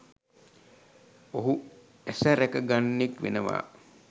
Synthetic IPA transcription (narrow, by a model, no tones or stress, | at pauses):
oɦu | æsəɾɛkəɡanːikʋḛnəʋa̰ː